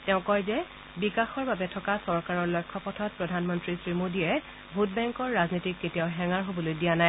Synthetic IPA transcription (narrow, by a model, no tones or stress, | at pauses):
tɛʊ̃kɔjzɛ | bikaxɔɹbabɛtʰɔkasɔɹkaɹɔɹlɔjkʰːɔpɔtʰɔt̚pɹɔdʱanmɔntɹisɹimodiɛ | bʱut̚bɛŋkɔɹːaznitikːetiaʊɦɛŋaɹɦobɔlojdijanaj